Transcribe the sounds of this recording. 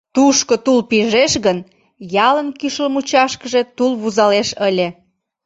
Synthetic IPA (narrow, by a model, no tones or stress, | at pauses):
t̪uʃkot̪ulpiʒeʃɣən | jɑlənkyʃləmut͡ɕɑʃkəʒet̪ulβuzɑleʃəlʲe